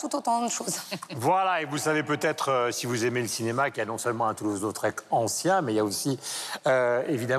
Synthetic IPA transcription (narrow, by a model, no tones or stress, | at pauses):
t̪ut̪ot̪ɑ̃d̪əʃozvwalaevulsavepøt̪ɛt̪χøsivuzemeləsinemakʲianɔ̃sœlmɑ̃ɛ̃t̪uluzot̪χɛkɑ̃sjɛ̃mɛijaosiøevid̪a